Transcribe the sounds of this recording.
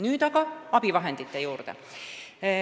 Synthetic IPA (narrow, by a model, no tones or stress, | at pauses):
nyːt̪ɑkɑɑb̥iʋɑɦe̞nt̪it̪ːejuːrt̪ḛ